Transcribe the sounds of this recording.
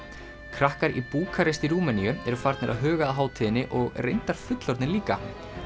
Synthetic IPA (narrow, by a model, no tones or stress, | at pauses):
kʰɾahkaɾḭpuːkʰaɾest̪iɾuːmɛniʏɛɾʏfaɾt̪nɪɾa̰ðɦœːɣaːðɦaːwt̪ʰɪðɪnːɪʔɔɣrejnt̪aɾ̥fʏt̪lɔɾt̪nɪliːka̰